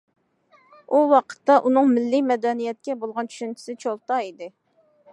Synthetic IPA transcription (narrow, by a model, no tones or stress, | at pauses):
uwɑqʰə̥t̪ːɑʔunɨŋmɪlːɪmɛd̪ɛnijɛt̪̚kʲɛbolˠʁɑnt͡ʃʰy̥ʃynt͡ʃʰi̥sɪt͡ʃʰolˠt̪ɑid̪ɪ